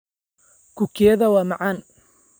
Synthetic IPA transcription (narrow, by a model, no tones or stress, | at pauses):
kʊkʰɛːðɐwaːmɐʕaːn